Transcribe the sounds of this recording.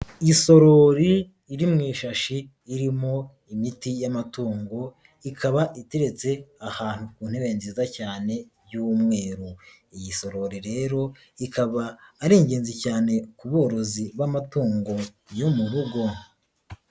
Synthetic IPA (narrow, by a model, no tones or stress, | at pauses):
iso̞ɾo̞ɾiː | ɾimŋiːʃaʃiː | ɾimo̞ | imitijamatuːŋɡo̞ | ikʰaβaʔiteɾe̞t͡se̞ahaːn̥hukuːn̥eβe̞ːnzizacaːne̞bɟumŋe̞ːɾu | ijiso̞ɾo̞ɾiɾe̞ːɾo̞ | ikʰaβaːɾeːɲɟe̞ːnzicaːne̞kuβo̞ːɾo̞ziβamatuːŋɡo̞ | jomuβuɡo